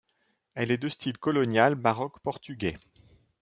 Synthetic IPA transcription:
ɛlɛd̪əst̪ilkɔlɔnjalbaʁɔkpɔʁt̪yɡʲɛ

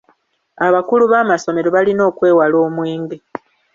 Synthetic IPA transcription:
aβakuluβaːmaso̞me̞ɾo̞βalino̞ːkwe̞ːwalo̞ːmweːnde

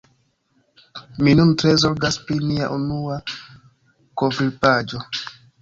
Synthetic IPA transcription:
minumtɾɛzɔlɡaspiniaʔunua | kɔvɾilpad͡ʒɔ

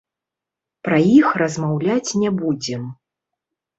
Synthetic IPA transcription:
pɾɐjixrɐzmawlʲat͡sʲnʲɛbud͡zʲɛm

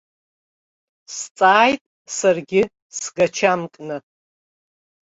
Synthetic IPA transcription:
st͡sʼaːjtʼ | sarɡʲɪ | sɡat͡ʃʰamkʼnɨ

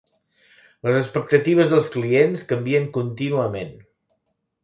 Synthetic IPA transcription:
ləzəspək̚t̪ət̪iβ̞əzðəlˠsklienskəmbiəŋkunt̪inuəmen

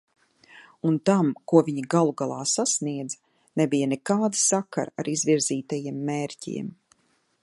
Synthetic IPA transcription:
unt̪amkuɔviɲiɡalˠuɡalˠa̰ːsasniɛd̪zḁ | nebijanɛkaːd̪i̥saka̰ɾaaɾizviɾziːt̪ajiɛmːeːɾcḭɛm

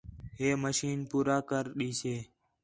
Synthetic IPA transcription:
ɦeːməʃiːnpuːɾaːkəɾɗiːseː

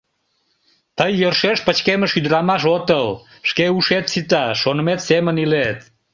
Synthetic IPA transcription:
t̪əjːərʃeʃpət͡ɕkeməʃyd̪əɾɑmɑʃ̬ot̪əl | ʃkeuʃet̪sit̪ɑʃonəmet̪semənilet̪

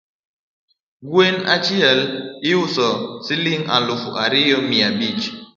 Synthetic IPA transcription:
ɡwenat͡ʃiəliusɔsiliŋa̰lufuʔaɾijɔmiabit͡ʃ

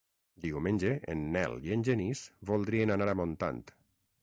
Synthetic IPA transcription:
d̪iwmẽnʲd͡ʒeḛnːɛ̰lienʲʒenisβolˠd̪ɾienanaɾamont̪a̰nt̪

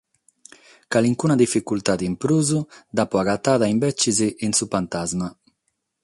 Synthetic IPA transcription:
kaliŋkunad̪ifikult̪aːd̪impɾuːzud̪apuaɡat̪ːaːðaimbɛt͡ʃːiziʔinsupant̪azma

